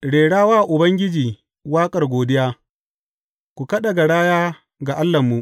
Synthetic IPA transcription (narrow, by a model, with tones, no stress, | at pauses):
ɽeː˨ɽaː˦waː˦˨ʔʊ˨bɐ˦ŋɡʲɪ˦d͡ʒiː˨ | waː˦kʼɐ˨rɡʷoː˨dɪ˦jaː˦ | kʷu˨kɐ˦ɗɐ˨ɡa˨ɽaː˦jaː˦ | ɡa˨ʔa˦lːɐ˨mːu˦ʔ